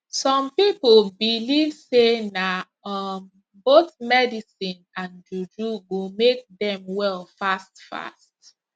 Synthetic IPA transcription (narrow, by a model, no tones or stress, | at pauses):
sɔ̃mpiplbilivsena | ʌm | boθmɛdisĩnãnd͡ʒud͡ʒuɡomek̚dɛ̃mwɛlfastfa̰st